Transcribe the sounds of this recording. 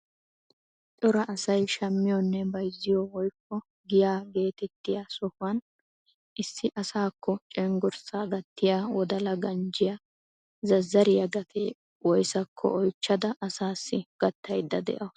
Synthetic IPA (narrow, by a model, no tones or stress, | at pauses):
t͡ʃʼɔɾɐʔɐsɐjʃɐmːɪjɔnːɛbɐjzːɪjɔwɔjkːɔ | ɡɪjaːɡe̞ːt̪ɛt̪ːɪjasɔhɐn | ʔɪsːɪʔɐsaːkʰːɔt͡ʃʼɛŋɡɔɾsaːɡɐt̪ːɪjaːwɔd̪ɐlɐɡɐnd͡ʒɪjɐ | zɐzːɐɾɪjɐɡɐt̪ʰe | wɔjsɐkʰːɔ̰ʔɔjt͡ʃːɐd̪ɐʔɐsaːsːɪɡ̥ɐt̪ːɐjd̪ːɐd̪ɛ̰ʔɐ